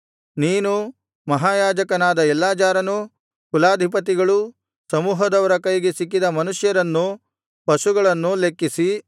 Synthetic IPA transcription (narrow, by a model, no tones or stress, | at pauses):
niːnu | mɐɦaːjaːd͡ʒɐkɐnaːd̪ɐɛlːaːt͡ʃaːɾɐnu | kulaːd̪ʱip̬ɐt̪̬iɡɐɭu | sɐmuːɦɐd̪ɐʋɐɾɐkɐjɡesikːid̪ɐmɐnuʂjɐɾɐnːu | pɐʃuɡɐɭɐnːulekːisi